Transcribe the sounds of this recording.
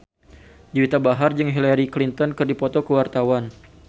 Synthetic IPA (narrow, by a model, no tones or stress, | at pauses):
d͡ʒiwit̪abaɦard͡ʒɨŋɦilaɾiklint̪ɔnkɨrdipɔt̪ɔkəwart̪awan